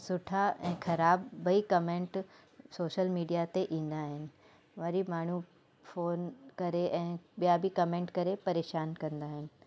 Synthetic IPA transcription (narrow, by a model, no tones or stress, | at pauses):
sʊʈʰaɛ̃ːxɐɾaːbːɐikɐmẽːɳʈ | soːʃəlmiːɖijat̪eʔĩːn̆d̪aɦɪnɪ̆ | ʋɐɾimaːɳ̤u | foːnkɐɾeʔɛ̃ːɓijabʱikɐmẽːɳʈkɐɾepɐɾeːʃaːnkɐ̃nd̪aːɦɪnɪ̆